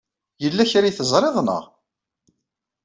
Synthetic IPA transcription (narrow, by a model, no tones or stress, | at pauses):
jəlːæçɾijθəzˤɾˤeðˤnə̰ʁ